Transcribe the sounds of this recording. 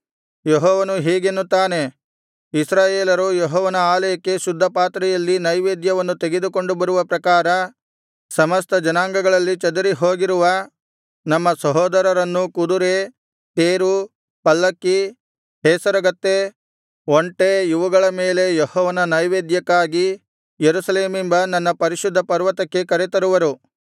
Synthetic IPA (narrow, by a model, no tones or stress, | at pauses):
jeɦɔːʋɐnuɦiːɡenːut̪aːne̞ | isɾaːjeːlɐɾujeɦɔːʋɐnɐaːlɐjɐkːe̞ʃud̪ʱːɐpaːt̪ɾɛjɐlːinɐjʋeːd̪jɐʋɐnːut̪e̞ɡe̞d̪uko̞ɳɖubɐɾuʋɐpɾɐkaːɾɐ | sɐmɐst̪ʰɐd͡ʒɐnaːŋɡɐɡɐɭɐlːit͡ʃɐd̪ɐɾiɦoːɡiɾuʋɐ | nɐmːɐsɐɦɔːd̪ɐɾɐɾɐnːukud̪uɾe | t̪eːɾu | pɐlːɐkːi | ɦɛːsɐɾɐɡɐt̪ːe | oɳʈejuʋɐɡɐɭɐme̞ːle̞jehɔːʋɐnɐnɐjʋeːd̪jɐkːaːɡi | jeɾusɐleːmimbɐnɐnːɐpɐɾiʃud̪ʱːɐpɐɾʋɐt̪ɐkːe̞kɐɾet̪ɐɾuʋɐɾu